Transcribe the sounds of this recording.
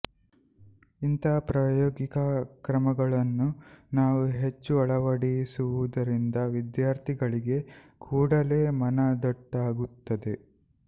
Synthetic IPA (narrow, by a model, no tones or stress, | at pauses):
int̪ɐɐpɾaːjoːɡikɐkɾɐmɐɡɐɭɐnːunaːʋuɦe̞t͡ʃːuɐɭɐʋɐɽisuʋud̪ɐɾind̪ɐʋid̪jaːɾt̪ʰiɡɐɭiɡe̞ | kʰuːɽɐle̞ːmɐnɐd̪ɐʈːaːɡut̪ːɐd̪e̞